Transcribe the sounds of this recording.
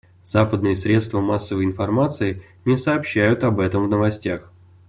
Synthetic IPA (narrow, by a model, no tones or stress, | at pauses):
z̥apəd̪̚nɨjəsɾʲe̞t̪st̪vəmasːəvəjɪnfɐrmat̪sɨɪ | nʲɪsɐːpɕːæjʊt̪ɐbɛt̪əmvnəvɐsʲtʲax